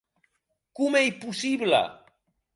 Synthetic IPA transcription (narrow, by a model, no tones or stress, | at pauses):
kʊmejpʊsibla̰